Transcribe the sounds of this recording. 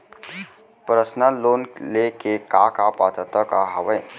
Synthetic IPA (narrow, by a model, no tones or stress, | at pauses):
pɾəsnəloːnlekekakapat̪ət̪əkaɦəʋəj